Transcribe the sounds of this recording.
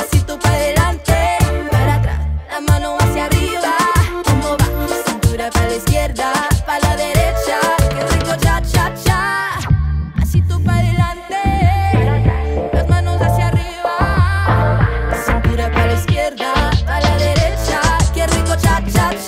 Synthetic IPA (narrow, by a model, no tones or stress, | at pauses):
asit̪upaðelant̪eaɾat̪amãnoasjariβakomoβaasint̪uɾapalaiskjeɾðapalaðeɾet͡ʃakerikot͡ʃat͡ʃat͡ʃa | asit̪upaðelant̪e | aazmãnosasjariβa | asint̪uɾapalaiskjeɾðapalaðeɾet͡ʃakerikot͡ʃat͡ʃa